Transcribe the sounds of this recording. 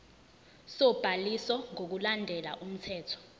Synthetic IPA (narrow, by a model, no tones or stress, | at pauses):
sɔb̥ʱalisɔŋok̬ulandʱɛlaʔum̩tʰɛːtʰɔ̥